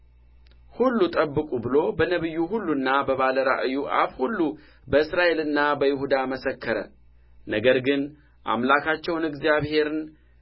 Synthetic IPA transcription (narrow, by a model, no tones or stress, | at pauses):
hulːut̪ʼəbːɨkʼubɨlo̞bənəβɨjːuɦulːunːabəβaləɾa̰ʔɨjuʔa̰βhulːu | bəɨsɾaʔe̞lɨnːabəjɪhud̪aməsəkʰːəɾə̰ | nəɡəɾɡɨn | ʔa̰mlakʰat͡ʃːɛwnɨɡzjaβhe̞ɾɨn